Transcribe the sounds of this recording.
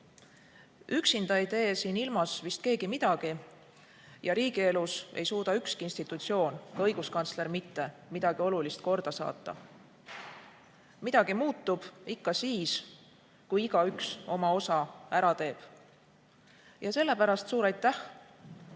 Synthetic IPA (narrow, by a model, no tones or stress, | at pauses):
yksind̪̥ɑid̪e̞ːsiːnilmɑsvist̪̚ke̞ːɡ̥imid̪̥ɑɡ̥i | jɑɾiːɡie̞luse̞̰jsuːd̪ɑykskiinst̪it̪ːˑut̪sio̞ːnkɑɤ̞jɡ̥uskɑnt̪sle̞ɾmit̪ːe̞mid̪̥ɑɡ̥io̞lulist̪̚ko̞rd̪̥ɑsɑ̰ːt̪ːˑɑ̰ | mid̪̥ɑɡ̥imuːt̪ːub̥ikːɑsiːs | kujiɡ̥ɑykso̞mɑo̞sɑæɾɑt̪e̞ːb̥ | jɑse̞lːe̞pæɾɑst̪suːɾɑjt̪ːˑæh